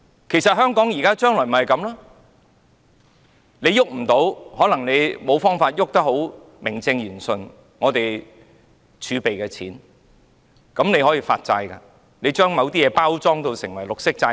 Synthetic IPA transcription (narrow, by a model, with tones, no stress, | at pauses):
kʰe˨˩jsɐ˨t̚ɦœː˥ŋkɔː˨˥ŋjiː˨˩kaː˥t͡ʃœː˥ŋlɔː˨˩jm̩˨hɐ˨jkɐ˨˧mlaː˥ | ne˨˧jʊ˥k̚m̩˨˩t̪o˨˧˥whɔː˨˥lɐ˨˩ŋne˨˧jmo˨˧wfɔː˥ŋfaː˧t̚jʊ˥k̚t̪ɐ˥k̚ho˨˥w | mɪ˨˩ŋt͡sɪ˧ŋjyː˨˩nsɵ˨n | ŋɔː˨˧t̪e˨j | t͡ʃʰyː˨˧pe˨jkɛ˧t͡sʰiː˨˥n | kɐ˨˥mne˨˧jhɔː˨˥jiː˧fa̰ː˧t̚t͡sa̰ː˧jkɐ̰˧ | ne˨˧jt͡ʃœː˥ŋmɐ˨˧wt̪iː˥jɛː˨˧paː˥wt͡sɔː˥ŋt̪o˧wsɪ˨˩ŋwɐ˨˩jlʊ˨k̚sɪ˥k̚t͡saː˧